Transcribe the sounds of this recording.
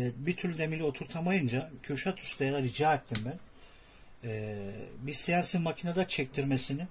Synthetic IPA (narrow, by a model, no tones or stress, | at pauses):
bit̪ʰyɾlʲd̪e̞milʲio̞t̪ʰuɾt̪ʰamajɯnd͡ʒacʰøʃat̪ʰu̥st̪ʰajad̪aɾid͡ʒaːɛt̪ʰːimbæn | ɛːbiɾsijansinmacʰinad̪at͡ʃʰɛc̚t̪ʰiɾme̞sinɪ